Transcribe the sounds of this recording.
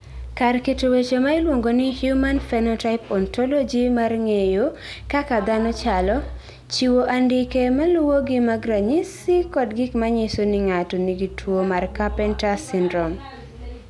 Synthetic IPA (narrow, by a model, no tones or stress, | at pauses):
karketowet͡ʃomaɪlwoŋɡonɪhjumanfɛnɔtaɪpɔntɔlɔd͡ʒimarŋejo | kakad̪anɔt͡ʃalɔ | t͡ʃiwoʔandɪkemalwoɡɪmaɡɾaɲisɪkɔdɡɪkmaɲɪsonɪŋatɔniɡitʰwomarkapɛntasindɾɔm